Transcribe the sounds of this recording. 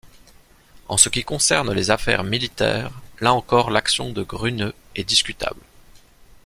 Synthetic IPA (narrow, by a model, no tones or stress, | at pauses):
ɑ̰̃səkʲikɔ̃sɛʁnlezafɛ̰ʁmilit̪ɛ̰ːʁlaɑ̃kɔʁlaksjɔ̃d̪əɡʁynøɛd̪iskʲyt̪a̰bl